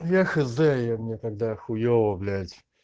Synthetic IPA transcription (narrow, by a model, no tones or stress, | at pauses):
jaxɨzd̪ɛjamnʲɛt̪aɡ̚d̪axʊjovɐblʲædʲ